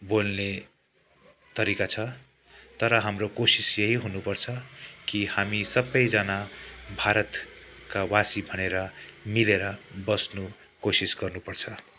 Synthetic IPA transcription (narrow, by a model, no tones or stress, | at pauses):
bolne | t̪ʌɾikat͡sʰʌ | t̪ʌɾʌɦamrokosisjʌɦiɦunupʌrt͡sʰʌkihamisʌbːʌjd͡zʌnabʱaɾʌt̪kawasibʱʌneɾʌmileɾʌbʌsnu | kosisɡʌrnupʌrt͡sʰʌ